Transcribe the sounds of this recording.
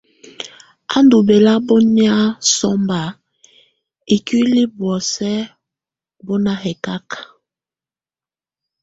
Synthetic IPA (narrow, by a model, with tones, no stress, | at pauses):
a˦ndu˨be˨la˦bɔ˦ni˦a˦sɔ˦mba˨ | i˨ki˦li˦bwɔ˨sɛ˦ | bɔ˦na˨hɛ˨ka˦k